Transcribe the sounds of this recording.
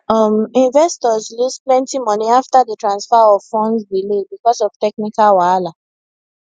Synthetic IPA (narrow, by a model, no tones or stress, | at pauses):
ɔmĩnvɛstɔzlusplɛ̃ntimɔniaftaðətɹãnsfaɔv̥fɔ̃nsbilebikɔsɔv̥tɛknikalwala